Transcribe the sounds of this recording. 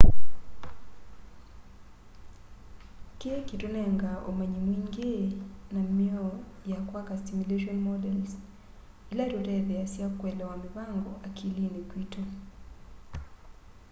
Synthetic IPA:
kekitonɛŋɡaʔo̰maɲimwiŋɡenamiɔjakwakastimuleʃɔnmɔdɛls | ilatotɛðɛasiakwɛlɛwamipaŋɡɔʔakʰilinikwito

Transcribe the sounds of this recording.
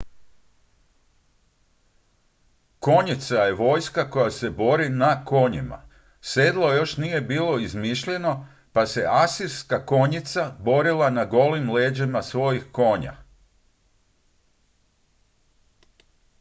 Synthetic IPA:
ko̞ɲit̪saje̞ʋo̞ːjskako̞jase̞bo̞ɾinako̞ɲima̰ | se̞d̪lˠo̞jo̞ʃnije̞biːlˠo̞izmiʃʎe̞no̞ | pase̞ʔasiɾskako̞ɲit̪sabo̞ɾilˠanaɡo̞limleːd͡ʑimasʋo̞jixko̞ːɲa̰

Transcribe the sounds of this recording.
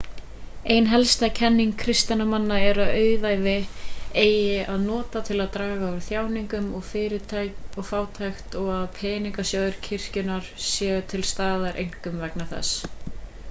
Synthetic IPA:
ejnɦɛlst̪acʰɛnːiŋkʰɾɪst̪anamanːaɛɾaðœːɥvajvɪeːjɪaðnɔːt̪at̪ʰɪlaðt̪ɾaːɣaʏɾθjaːwniŋkʏmɔɣfɪːɾɪt̪ʰajɔɣfaːwt̪ʰajxt̪ɔɣaðpʰɛːniŋkasjoːðʏɾ̥cʰɪr̥cʏnaɾ̥sjɛːt̪ʰɪlst̪aːðaɾʔejŋ̥kʏmvɛknaθɛ̰s

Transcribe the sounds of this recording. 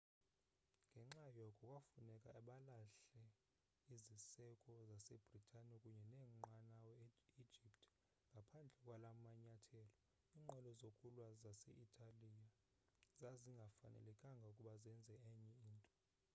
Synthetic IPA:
ŋɡʱɛŋ͡ǁajɔkʼɔkʼwafunɛkʼaʔaɓalaɬɛ | izisɛkʼɔzasɛb̥ʱritʰʼanikʼuɲɛnɛːŋ͡ǃanawɛi̥d͡ʒʱiptʼ | ŋɡʱapʰand͡ɮʱɛkʼwalamaɲatʰɛːlɔ | iːŋ͡ǃʱɔlɔzokʼulwazasɛ̰ʔitʰʼalija | zaziŋɡʱafa̰nɛ̰lɛkʼaŋɡʱaukʼuɓazɛnd͡zʱɛɛɲɛiːntʼɔ

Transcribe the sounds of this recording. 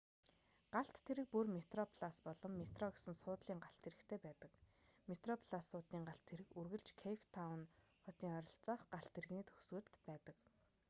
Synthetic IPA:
ɢ̥aɬt̪ʰːeɾɘ̆k̚purmet̪rɔpʰɮaspɔɮɞ̆mːet̪rɔɡesɘ̆nsʊːt̪ɮiːŋɢaɬt̪ʰːeɾɘ̆kt̪ʰeːpæːt̪ə̆kmet̪rɔpʰɮasːʊːt̪niːŋɢaɬt̪ʰːeɾɘ̆kurɣɘ̆ɮt͡ɕkʰejft̪ʰawn | χɔt̪iːŋœɾʲɞ̆ɬt͡sɔːχɢaɬt̪ʰeɾɘ̆ɣniːt̪ʰɵxswɘ̆ːrt̪pæːt̪ə̆k

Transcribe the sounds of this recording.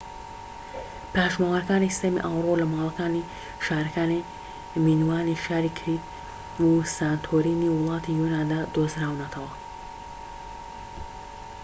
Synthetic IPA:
paːʃmawaɾkanist̪emḭʔawɾoləmɑːlkani | ʃaɾkani | minwaːniʃaɾikʰɾit̪ | wusant̪ʰoɾiniwlˠɑt̪ʰijunand̪ad̪osɾawnat̪ʰal

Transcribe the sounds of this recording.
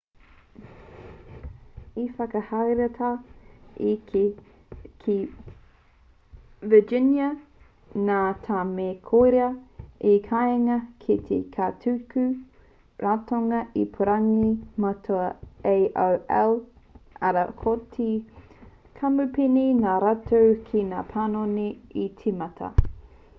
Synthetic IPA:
ifɐkɐhajɾɐtʰa | ikʰe | kʰi | vəd͡ʒɪnjɐ | naːtʰaːmeːkʰojɾeɐikʰaŋɐkʰit̪ʰḛkʰatʰʉkʉ | ɾatoŋɐʔipʰoɾaŋimatʰoɐejʔowɛ̰l | ʔɐɾɐkʰotʰi | kʰamʉpininaːɾatowkʰinaːpʰanoniit͡simɐtʰɐ̰

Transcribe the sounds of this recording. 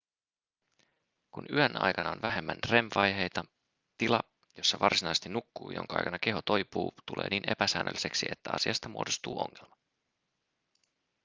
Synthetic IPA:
kunyænɑ̰jkɑnɑonʋæɦe̞mːænre̞mʋɑjɦe̞jt̪ɑ | t̪ilɑ | jo̞sːɑʋɑrsinɑjse̥t̪inukːuːjo̰ŋkɑʔɑ̰jkɑnɑke̞ɦot̪o̞jpuːt̪ulḛːniːne̞̰pæsæːnʔø̰lːise̞ksie̞t̪ːæɑ̰siɑst̪ɑmuodost̪uːo̞̰ŋːelmɑ

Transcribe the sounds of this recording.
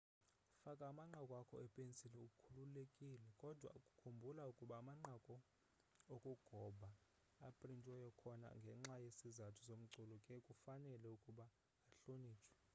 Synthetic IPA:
fakʼaːmaŋ͡ǃakʼwakʰɔ̰ɛpʼent͡sʼilɛukʼukʰululekʼilɛkʼɔd̥ʱwa̰ukʼukʰumbʱulaukʼuɓaːmaŋ͡ǃakʼɔ | okʼuɡ̥ʱɔbʱaː | pʼrintʼwɛjɔkʰɔna̰ŋɡʱɛŋ͡ǁajesizatʰu̥som̩ǀulɔkʼɛkʼufanɛlɛukʼuɓaː | ɬoniːt͡ʃʰʼwɛ̥

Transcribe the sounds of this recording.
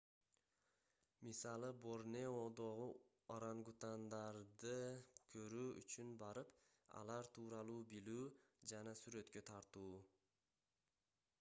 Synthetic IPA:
misɑlˠɯbo̞ɾneod̪o̞ʁu | aɾaŋɡut̪and̪ɑɾd̪ɯkʰøɾyːy̰t͡ʃynbɑɾɯp | ɑ̰lˠɑɾt̪ʰuːɾɑlˠuːbilyːd͡ʒɑnɑsyɾe̞t̪køt̪ʰɑɾt̪uː

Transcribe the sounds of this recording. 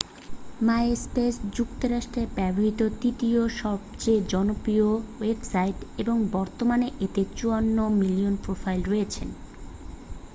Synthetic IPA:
maeespesd͡ʑukt̪oɾaʃʈɾeɾbɛboɦit̪od̪it̪ioʃɔbt͡ɕed͡ʑɔnopɾiowebsaiʈeboŋbɔɾt̪omaneʔet̪et͡ɕuanːomilionpɾofʰajlɾojet͡ɕʰḛn

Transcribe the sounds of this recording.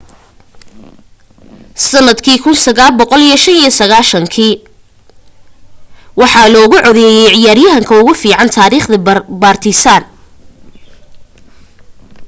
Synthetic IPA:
sɐnːɐd̪kʰiːkʰʊnsɐɣaːlbɔqɔlijɔʃɐnijɔsɐɣaːʃɐŋkʰiː | wɑħɑlɔːɣʊʕɔðɛjɛjʕɪjaːɾjɐɦɐŋkʰɐʊɣʊfiːʕɑnt̪ʰaːɾiːχðɐbaːrt̪ʰɪsaːn

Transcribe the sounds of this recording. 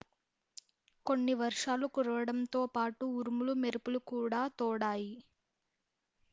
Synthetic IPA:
ko̞nːiʋɐɾʂaːlɐkuɾʋɐɽɐmt̪oːpaːʈuːɾumulumeɾupulukuːɽaːt̪ɔːɽaːji

